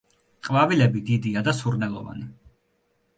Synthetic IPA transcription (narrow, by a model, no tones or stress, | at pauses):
qʼvavilɛbid̪id̪iad̪asuɾnɛlˠɔva̰ni